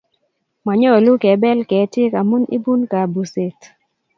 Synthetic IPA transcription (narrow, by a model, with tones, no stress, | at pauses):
ma˨ɲɔ˦˨lu˦kɛ˨˦bɛ˦lkɛ˨˦tje˦ka˨mu˦nḭ˦bu˦nka˨bu˨se˨t